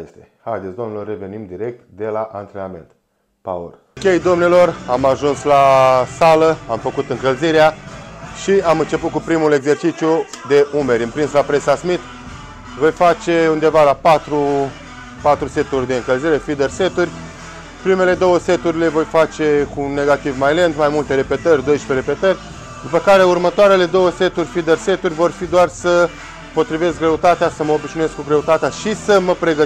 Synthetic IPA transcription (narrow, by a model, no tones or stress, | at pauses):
est̪e | hajd̪esd̪oomnelo̞rːe̞ve̞nimd̪iɾe̞k̚t̪d̪e̞laʔant̪ɾenamḛnt̪̚ | pa̰ṵr | kʲe̞jd̪o̞mnelo̞ramaʒunslasaləamfəkut̪ɨŋkəlziɾeaʃiamɨnt͡ʃe̞put̪̚kupɾimule̞ɡze̞rt͡ʃit͡ʃju | d̪e̞ʔume̞ɾʲɨmpɾinslapɾe̞sasmit̪ | vo̞jfat͡ʃe̞und̪e̞valapat̪ɾu | pat̪ɾuse̞t̪urʲd̪e̞ɨŋkəlziɾe̞fid̪erset̪urʲ | pɾime̞le̞d̪o̞wəse̞t̪uɾʲile̞vo̞jfat͡ʃe̞kuːnːe̞ɡat̪ivmajle̞nd̪majmult̪e̞ɾe̞pe̞t̪ərʲd̪o̞jʃpeɾe̞pe̞t̪ərʲ | d̪upəkaɾe̞urmət̪oaɾe̞le̞d̪o̞wəse̞t̪urʲfid̪ərse̞t̪urʲvo̞rfid̪oarsə | po̞t̪ɾive̞skɡɾe̞ut̪at̪easəməobiʃninujeskuɡɾe̞ut̪at̪eaʃisəməpɾe̞ɡə